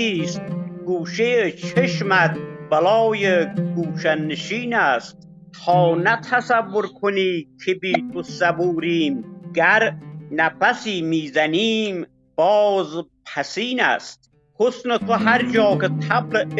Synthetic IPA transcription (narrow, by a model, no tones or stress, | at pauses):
iːst̪̚ɡuːʃejet͡ʃʰeʃmæt̪̚bælɒːjeɡuːʃænːeʃiːnæst̪̚ | tʰɒːnæt̪ʰæsævːoɾkʰoniːkʰebiːt̪ʰosæbuːɾiːmɡæɾnæfæsiːmiːzæniːm | b̥ɒːzpʰæsiːnæ̰st̪̚ | hosnet̪ʰoɦæɾd͡ʒɒːkʰet̪ʰæble